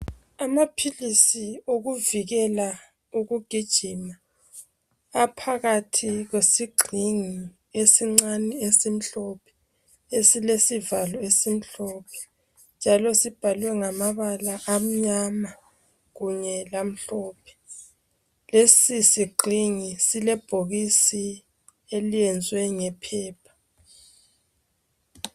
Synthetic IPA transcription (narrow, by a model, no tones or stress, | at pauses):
amapʰilisioɣuviɣɛla | uɣuɡ̥ʱid̥ʒ̥ʱima | pʰaɣatʰiɣwesiɡ͡ǃʱiŋi | esiŋ͡ǀaniesim̩ɬɔpʰɛ̥ | esilesivalɔesim̩ɬɔpʰɛ̥ | nd͡ʒʱalɔsib̥ʱalwɛŋamaβalaʔːm̩ɲama | ɣuɲɛlam̩ɬɔːpʰɛ̥ | lesisiɡ͡ǃʱiŋisilɛb̥ʱoɣisi | eliɛnd͡zʱwɛŋɛpʰɛːpʰḁ